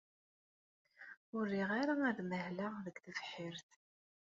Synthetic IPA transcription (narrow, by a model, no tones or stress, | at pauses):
ʊɾːiʁaɾaæðməhlaʁðəɡθəvħiɾθ